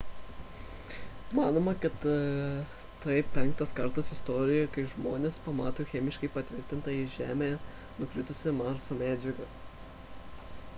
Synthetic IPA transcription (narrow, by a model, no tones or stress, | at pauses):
mɑːnoːmɐkɐt̪ | t̪ɐɪpʲɛŋk̚t̪ɐskɐɾt̪ɐsɪst̪ɔːɾʲɪjɛkɐɪʒmoːnʲeːspɐmɑːt̪oːxʲɛmʲɪʃkɐɪpɐt̪ʲʋʲɪɾʲt̪ʲɪnt̪ɐiʒʲæːmʲejɛ | nʊkʲɾʲɪt̪ʊsʲɪmɑːsoːmʲæːd͡ʒʲɛɡɐ